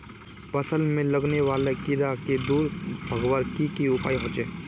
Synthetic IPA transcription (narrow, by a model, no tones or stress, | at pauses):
pɐsəlmẽləɡneʋaːlekɪɾaked̪uːɾbʱɐɡwaɾkikiʊpaːiɦõːt͡ʃeː